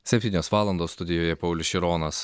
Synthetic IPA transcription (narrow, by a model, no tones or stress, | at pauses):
sʲɛpʲt̪ʲiːnʲoːsʋɑːlˠɐnd̪oːst̪ʊd̪ʲɪjoːjɛpɐʊlʲʊʃʲɪɾoːnɐs